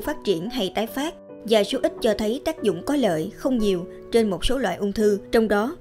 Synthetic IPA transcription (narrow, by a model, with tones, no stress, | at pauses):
faː˦˥t̚t͡ɕḭ˧˩ənɦa˧jt̪aː˨˦jfaː˦˥t̚ | vaː˨˩su˨˦ʔi˦˥t̟̚t͡ɕɔ˧t̪ʰə˨˦jt̪aː˦˥k̚zʊ̰˧˨ŋ͡mkɔ˨˦lə̰ː˧˨jxə˧wŋ͡mɲi˨˩əw | t͡ɕe˧nmo˨˩t̚so˨˦lwa̰ː˧˨jʔʊ˧wŋ͡mt̪ʰɨ˧t͡ɕɔ˧wŋ͡mɗɔ˨˦